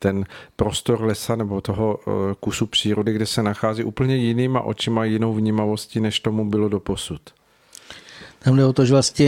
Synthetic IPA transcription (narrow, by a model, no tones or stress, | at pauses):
t̪ɛnpɾo̞st̪o̞ɾlɛsanɛbo̞t̪o̞ɦokusupr̝̥iːɾo̞dɪɡdɛsɛnaxaːziːʔṵːpl̩ɲɛjɪniːma̰ʔo̞̰t͡ʃɪmajɪno̞wvɲiːmavo̞scinɛʃt̪o̞mubɪlo̞do̞po̞sut̪ | t̪amdɛot̪oʒɛvlasɲɛ